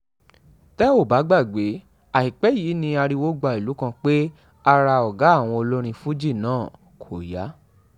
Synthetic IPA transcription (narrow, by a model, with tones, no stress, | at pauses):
tɛ˦o˦˨ba˨˦ɡ͡ba˦˨ɡ͡be˨˦ | a˨hi˨k͡pɛ˨˦jiː˨˦nĩ˧a˧ɾi˧wo˦ɡ͡ba˧˨i˨lu˨˦kã˧k͡pe˦ | a˧ɾa˧ɔ˨ɡa˨˦˨w̃ɔ̃˧o˧lo˦ɾ̃ĩ˧fu˦d͡ʒi˦˨nãː˦˨ | kʰo˨ja˨˦